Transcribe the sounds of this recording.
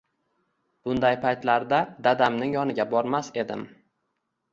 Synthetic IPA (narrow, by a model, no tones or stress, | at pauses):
b̥ʊnd̪ajpʰajt̪laɾd̪ad̪ad̪amnɪŋjɒnɪɡʲabɒɾmase̞d̪ɪm